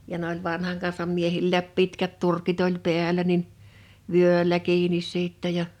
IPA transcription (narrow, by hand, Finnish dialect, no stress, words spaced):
jɑ n olʲ ʋɑnhɑŋ kɑnsɑm miehilːæːp pitkæt turkit olʲ peælˑæ nin ʋyølʲæ kiːnis sitːɛ jɑ